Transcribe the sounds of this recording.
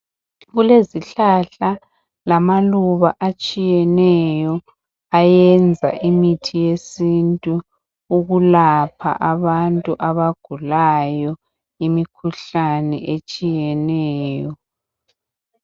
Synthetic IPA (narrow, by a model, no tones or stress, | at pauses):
ɣuleziɬaɬa | lamaluβaʔat͡ʃʼijɛnɛjɔ | ajɛnd͡zʱa̰ʔimitʰijesintʼu | uɣulapʰa̰ʔaβantʼuʔaβaɡ̥ʱulajɔ | imikʰuɬanɛ̰ʔet͡ʃʼijɛnɛːjɔ